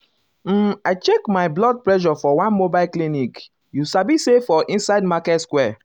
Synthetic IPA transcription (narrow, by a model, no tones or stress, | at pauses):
m̩aɪt͡ʃekmaɪblɔd̚plɛʃɔfɔwãnmobaɪlklinik | jusabisefɔʔĩnsaɪd̚makɛtskwɛ